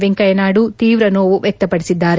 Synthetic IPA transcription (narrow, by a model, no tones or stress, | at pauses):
ʋeŋkɐjɐnaːɽut̪iːʋɾɐnoːʋuʋjɛk̚t̪ɐpɐɽisid̪ːaːɾe